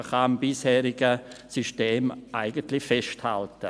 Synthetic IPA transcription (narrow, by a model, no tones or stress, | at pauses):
χaːmbɪshɛːɾɪɡəsyʃteːmʔaɪɡəntlɪçfɛʃtha̰ltə